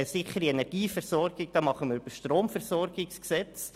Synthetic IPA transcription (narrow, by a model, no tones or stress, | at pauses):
əsɪχəɾiɛnɛɾɡ̥iːfɛɾsɔɾɡ̥ɪɡ̚d̥ɑːmɑχəməɾbəʃtroːmfɛɾsɔɾɡɪksksɛt͡s